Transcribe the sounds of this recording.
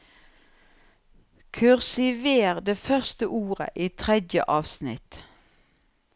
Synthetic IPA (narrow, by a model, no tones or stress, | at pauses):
kʰʉʁsɪʋeːʁd̪eːfœʁst̪əʔuːʁə̰ʔiːt̪ʰʁɛd̪jə̰ʔɑːʋsnɪ̰t̪